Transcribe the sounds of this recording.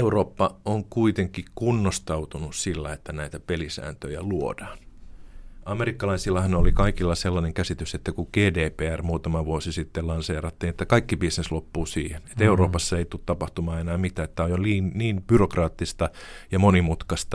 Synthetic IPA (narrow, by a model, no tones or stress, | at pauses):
euroːpːɑoŋkuit̪eŋkːikunːost̪ɑut̪unussilːæet̪ːænæit̪æpelisæ̰ːnt̪øjæluod̥ɑːn | ɑmerikːɑlɑisilːɑhɑnolikɑikilːɑselːɑneŋkæsit̪yset̪ːækuɡ̥eːdeːpeːærmuːt̪ɑmɑʋuosisit̪ːelɑnseːrɑt̪ːiːnet̪ːækɑikːibisneslopːuːsiːhene̥t̪euroːpɑsːɑeit̪ut̪tɑpɑht̪umɑːenæːmit̪æːet̪ːæojjoliːnniːmb̥yrokrɑːt̪ːist̪ɑjɑmonimut̪kɑst̪ɑ